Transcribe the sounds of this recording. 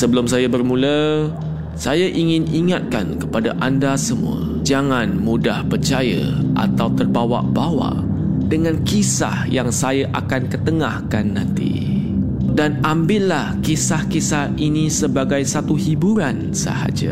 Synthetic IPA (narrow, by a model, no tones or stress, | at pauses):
səbəlʊmsajabərmũlə | sajaʔiŋɪ̃niŋat̪̚ka̰nkəpadaʔandasəmṵə̰ | d͡ʒaŋãnmudahpərt͡ʃaja̰ʔa̰t̪awt̪ərbawa̰ʔbawa̰ʔdəŋãnkisa̰hjaŋsajaʔa̰kankət̪əŋahkanːãnt̪ḭ | danambɪʔlahkisahkisahinisəbaɡajsat̪uhibuɾan | sə̰ha̰d͡ʒa̰